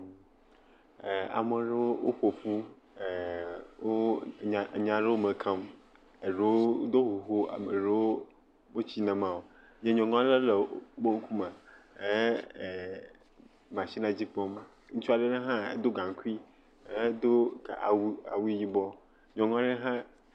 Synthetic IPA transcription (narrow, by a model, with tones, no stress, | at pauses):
a̰˨me˨ɖe˦wo˦wʔo̰˦ɸo˨ɸu˦˨ | wo˦˨ | ɲã˨ɖe˦wo˦mẽ˨kʰã˦m | e˨ɖe˦wo˦d̪o˦ɦo˨ɦo˦a̰˨me˨ɖe˦wo˦ | me˦t͡ɕi˦nɛ̃˨mã˨wo˨ | ɲẽ˦ɲɔ̃˨ŋɔ̃˦le˦le˨˦bo˦ŋ̩˦kʰu˦mã˨e˦˨ | mã˨ɕi˦nã˨d͡ʑi˦pɔ˦m˦ | ŋũ˦t͡ʃu˦a˨ɖe˦ne˦ɦã˦ḛ˨d̪o˦ɡã˨ŋ˨˦ku˦i˦ | e˦d̪o˦ka˨a̰˨wa̰˨wi˦ji˦bɔ˦ | ɲɔ̃˨ŋɔ̃˦ɖe˦ɦã˦